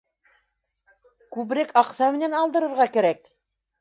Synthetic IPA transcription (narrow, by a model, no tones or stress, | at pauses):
kʉβɾɘkɑqsɑmɘ̆nænɑlˠd̪ɤ̆ɾɤ̆ɾʁɑkæɾæk